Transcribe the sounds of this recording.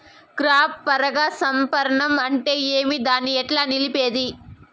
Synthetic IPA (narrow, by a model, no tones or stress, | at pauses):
kɾaːpːɐɾɐɡaːsɐmpɐɾɐɳɐmɐɳʈe̞ːeːmid̪aːnːiɛʈlaːnilipeːd̪i